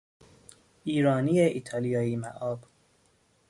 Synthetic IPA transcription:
ʔiːɾɒːnijeʔiːt̪ʰɒlijɒːiːmæʔɒːb

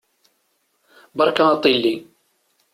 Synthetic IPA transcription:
bɑɾˤkat̪ˤːilːi

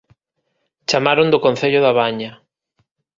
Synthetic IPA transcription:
t͡ʃamaɾõnd̪okon̟θeʎʊðaβaɲa

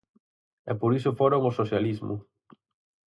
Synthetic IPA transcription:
ɛpoɾisʊfoɾoŋʊsoθjalizmʊ̰

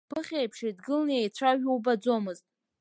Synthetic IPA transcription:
pɨχʲejpʰʂidɡɨlniejt͡ɕʷʰaʒᶣuwbad͡zo̞mɨztʼ

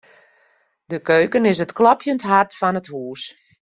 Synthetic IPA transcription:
dəkøːkənɪsətklɔpjəntɦartfɔnəthuːs

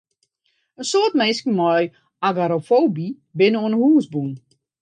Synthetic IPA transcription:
əsoərtmejskəmɔj | aɡaɾofowbi | bɪnəoənəhuːsbun

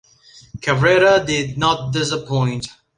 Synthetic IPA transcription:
kʰəvɹɛɾədɪd̚ⁿnət̚dɪs̬əpʰɔ̃ɪ̃nt

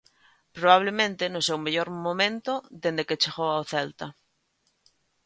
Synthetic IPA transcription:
pɾoβaβ̞lemẽnt̪enosewmeʎoɾmõmẽnt̪oðend̪eket͡ʃeɣoaoθɛlt̪a

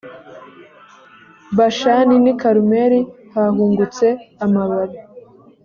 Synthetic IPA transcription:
baʃaninikaɾumeɾi | haɦuːŋɡut͡se̞amaβaɾi

